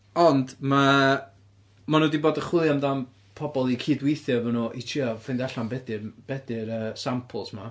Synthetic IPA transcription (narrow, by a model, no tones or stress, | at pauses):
ɔndma | manuːdiboːdəχwɪlˠjamdam | pʰɔbɔlˠikʰiːdwejθjɔvɔnuʔitʰiafɪndaɬambɛdɪrb̥ɛdɪɾəːsampʰəlˠsma